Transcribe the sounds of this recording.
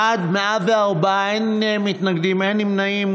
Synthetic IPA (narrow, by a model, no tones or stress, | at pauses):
ad̪meavaʁba | en | emit̪naɡd̪imenimnaim